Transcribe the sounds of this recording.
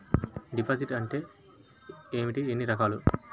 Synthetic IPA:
ɖipaːd͡ʒiʈɐɳʈe̞ː | eːmiʈienːiɾɐkaːlu

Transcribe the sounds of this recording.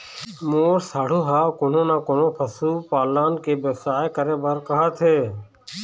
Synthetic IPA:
moːɾsaːɽ̤uːɦaːkoːnõːnaːkoːnõːpʰəsuːpaːlaːnkeːbeːsaːekəɾeːbəɾkəɦaːt̪ʰeː

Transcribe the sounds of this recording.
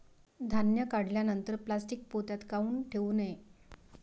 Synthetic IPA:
d̪ʱanjəkaɽ̤ljanənt̪əɾplasʈik̚pot̪jat̪kauːnʈʰeʋuːne

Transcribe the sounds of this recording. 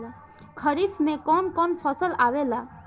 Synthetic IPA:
a | kʰəɾifmẽkɔnkɔnfʰəsəlaʋela

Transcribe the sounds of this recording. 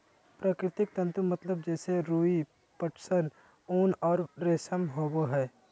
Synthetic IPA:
pɾaːkɾɪt̪ɪk̚t̪ɐ̃nt̪ɾumɐt̪ləb̚d͡ʒɛːseɾuːi | pəʈʰsən | uːnɔːɾɾeːsəmɦoːboɦɛː

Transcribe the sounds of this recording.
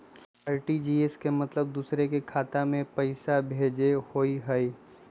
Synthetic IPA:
aːɾʈid͡ʒiːeskemɐt̪ləb̚d̪uːsɾekekʰaːt̪amẽpəɪsabʱeːd͡ʒehoiɦɛi

